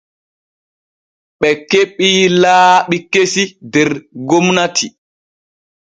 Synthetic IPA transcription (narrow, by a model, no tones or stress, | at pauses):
ɓɛkeɓːiːlaːɓikːesidɛɾɡomnatʰi